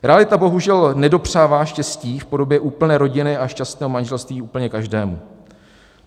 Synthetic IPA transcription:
ɾɛalɪt̪abo̞ɦuʒɛlnɛdo̞pr̝̥aːvaːʃcɛsciːfpo̞do̞bjɛʔuːpl̩nɛːɾo̞ɟɪnɪaʃcast̪nɛːɦo̞manʒɛlst̪viːuːpl̩ɲɛkaʒdɛːmu

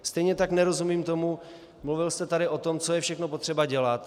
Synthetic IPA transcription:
st̪ɛjɲɛt̪aknɛɾo̞zumiːmt̪o̞mu | mluvɪlst̪ɛt̪aɾɪʔo̞t̪o̞mt͡so̞jɛfʃɛxnopot̪r̝̥ɛbaɟɛlat̪

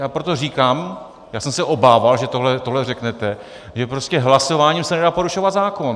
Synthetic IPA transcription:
jaːpɾot̪o̞riːkaːm | jaːsɛmsɛʔo̞baːvalʒɛt̪oɦlɛt̪o̞ɦlɛrɛknɛt̪ɛ | ʒɛpɾo̞scɛɦlaso̞vaːɲimsɛnɛdaːpo̞ɾuʃovat̪zaːko̞n

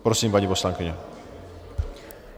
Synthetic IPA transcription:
pɾɔsiːmpaɲiposlaŋkɪɲɛ

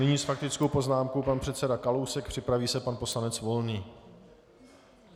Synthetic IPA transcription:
nɪɲiːsfak̚t̪ɪt͡sko̞wpo̞znaːmkowpanpr̝̥ɛt̪t͡sɛdakalowsɛk̚pr̝̥ɪpɾaviːsɛpanpo̞slanɛt͡svo̞lniː

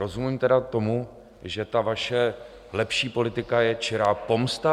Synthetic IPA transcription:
ɾo̞zumimt̪ɛdat̪o̞mu | ʒɛt̪avaʃɛ | lɛpʃiːpo̞lɪt̪ɪkajɛt͡ʃɛɾaːpo̞mst̪a

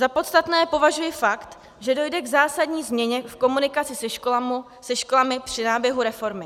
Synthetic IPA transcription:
zapo̞t̪st̪at̪nɛːpo̞vaʒujɪfakt̪ | ʒɛdo̞jdɛɡzaːsadɲiːzmɲɛɲɛfko̞munɪkat͡sɪsɛ | sɛʃko̞lamɪpr̝̥ɪnaːbjɛɦuɾɛfo̞ɾmɪ

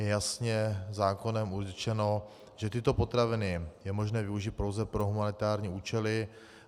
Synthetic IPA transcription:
jɛjasɲɛzaːko̞nɛmurt͡ʃɛno̞ | ʒ̥ɛt̪ɪt̪o̞po̞t̪ɾavɪnɪjɛmo̞ʒnɛːvɪuʒit̪̚pɾo̞wzɛpɾo̞ɦumanɪt̪aːɾɲiːuːt͡ʃɛlɪ

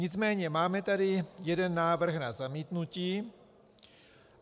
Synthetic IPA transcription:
ɲɪt͡smɛːɲɛmaːmɛt̪adɪjɛdɛnːaːvr̩xnazamiːt̪nuciː

